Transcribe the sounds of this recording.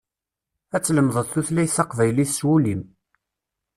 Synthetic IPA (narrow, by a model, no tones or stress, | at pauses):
æt͡sːləmðˤəðθuθlæjθɑqvæjliθswulim